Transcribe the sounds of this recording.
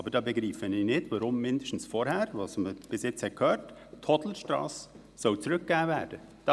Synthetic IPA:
ɑbəɾdɑːbeɡɾiːfəniːnɪtvɑɾʊmːɪndəʃtn̩sfɔːɾhɛːɾvɑsməb̥ɪsjɪt͡shɛt̚kʰhøːɾttʰɔtl̩əʃtɾɑ̰ːs | sɔlt͡sɾʏk̚ɡ̥æːvɛːɾd̥əd̥ɑ

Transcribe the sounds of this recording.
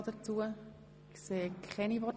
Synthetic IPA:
d̥ət͡suə | kseːkʰχɛnivɔ

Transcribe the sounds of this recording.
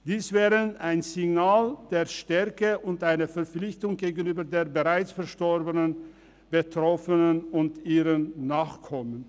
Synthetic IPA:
d̥iːsv̥ɛːʁənaɪnzɪɡnaːld̥eːɐʃtɛɐkəʔʊntʔaɪnəfɛɐp͡flɪçtʊŋɡeːɡənyːbɐdeːɐbəʁaɪt͡sfɛɐʃtɔʁbənən | b̥ətʁ̥ɔfənənʊntiːʁənːaːχkʰɔmən

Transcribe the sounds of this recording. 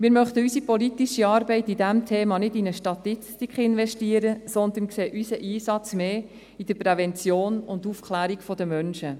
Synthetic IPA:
mɪːɾmœχt̪əysipɔlitiʃiɑːɾbɛɪtidæmtʰeːmɑnɪdinəʃtɑt̪ist̪ikʰχɪnʋɛʃtiəɾəsɔnd̪ənkseːʔysəʔiːsɑt͡smeː | id̥əpɾɛvɛnt͡sjoːnʊndufkʰlæːɾikfɔd̥̪əmœnʃə

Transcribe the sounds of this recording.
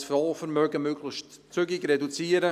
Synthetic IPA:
sfɔːfəɾmœɡəmøɡlɪçtt͡sʏɡɪɡɾɛdut͡siːəɾə

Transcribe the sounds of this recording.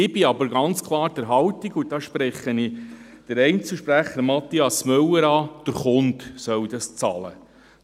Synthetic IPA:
ɪbɪɑbəɾɡɑnt͡skʰlˠɑːɾd̥̪əɾɦɑwtiɡudɑʃpɾɛχəni | d̥əɾɛɪnt͡sl̩ʃpɾæχəɾmɑt̪ːiɑsmœwəɾɑːd̥əɾχʊntsœwd̥̪ɑst͡sɑ̰lə̰

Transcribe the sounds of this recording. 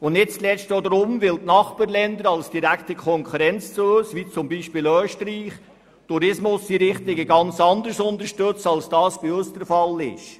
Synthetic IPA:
ʊndɪt͡stlɛstod̪ɾʊmʋɪltnɑχpɑɾlɛndəɾɑlsd̥iɾæktəkʰɔŋkʰuɾɛnt͡st͡suːsʋiːt͡sʊmbiːʃpiːløːʃtɾiːχ | tuɾɪsmʊsdiɾɪχtɪɡəɡɑnt͡sɑndəɾsʊnd̪əʃtɵt͡sɑlsd̥ɑːsb̥iøsd̥əɾfɑlɪ̰ʃ

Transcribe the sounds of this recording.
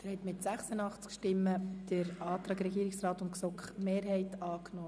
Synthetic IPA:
ɛɾhɛtmɪtsæχsənɑχt͡skʃtɪmːəd̥əɾɑːt̪ɾɑːɡɾɛɡiːɾɪksrɑːtʊntksɔkχmeːrɦɛɪtɑːknɔː

